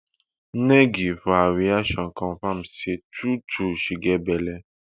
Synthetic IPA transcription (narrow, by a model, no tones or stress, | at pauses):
nɛ̃ɡifawiaʃɔ̃kɔ̃fãmsetutuʃiɡɛbɛlɛ